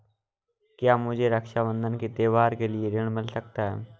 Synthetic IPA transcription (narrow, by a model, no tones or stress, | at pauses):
kɪjaːmʊd͡ʒeːɾəkʃaːʋə̃nd̪ənkit̪eːʋaːɾkeːlɪeɾɪɳ̃mɪlsək̚t̪aːɛ̰ː